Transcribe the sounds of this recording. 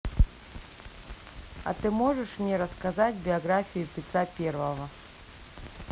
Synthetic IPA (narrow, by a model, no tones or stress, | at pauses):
ɐ̰t̪ɨmoʐɨʂmnʲɛɾɐskazatʲbʲɪɐɡɾafʲijʊpʲɪt̪ɾapʲervəvɐ